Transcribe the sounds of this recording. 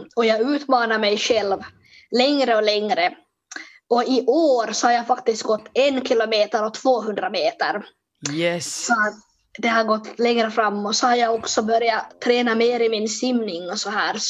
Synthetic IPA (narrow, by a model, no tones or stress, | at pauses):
ɔjɑːɡʉ̟ːt̪mɑːnaɾmɛjɧɛlv | lɛŋɾəɔlɛŋɾə | ɔɪʔoːɾsɔhaɾjaːɡfakt̪ɪst̪̚ɡɔt̪ːɛnkʰɪlʊmeːt̪əɾɔt̪ʰv̥oːɦɵnd̪ɾameːt̪ə̰ɾ | sɔat̪ | d̪ɛhaɾɡɔt̪ːlɛŋɾəfɾamːɔt̪sɔhaɾjaːɡɔksɔbœɾjat̪ʰːɾɛːnameːɾɪmɪnsɪmnɪŋːɔsɔɦæːɾ